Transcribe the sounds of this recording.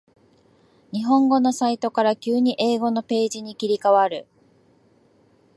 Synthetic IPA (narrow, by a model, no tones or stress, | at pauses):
ɲ̟iɦõ̞ŋɡo̞no̞sait̪o̞kaɾakʲɨːɲ̟iʔe̞ːɡo̞no̞pe̞ːʑiɲ̟ikʲiɾʲikaβaɾɯ̟